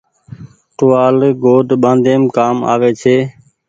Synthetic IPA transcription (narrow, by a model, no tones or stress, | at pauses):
ʈʊːaːlɡoːɖɓãːnd̪eːmkaːma̰ːʋeːt͡ʃʰeː